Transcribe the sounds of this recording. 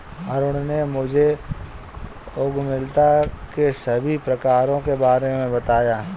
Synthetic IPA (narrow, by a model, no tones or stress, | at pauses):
ɐɾʊɽnemʊd͡ʒʱe | ʊɡmɪlt̪akesɐbʱipɾɐkaːɾõkebaːɾemẽbɐt̪aːjaː